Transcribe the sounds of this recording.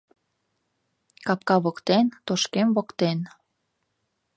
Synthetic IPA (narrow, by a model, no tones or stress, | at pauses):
kɑpkɑβokt̪ent̪oʃkemβokt̪en